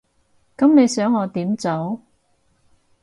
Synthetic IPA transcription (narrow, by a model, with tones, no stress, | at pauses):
kɐ˨˥mne˨˧jsœː˨˥ŋːɔː˨˧t̪iː˨˥mt͡so˨˥w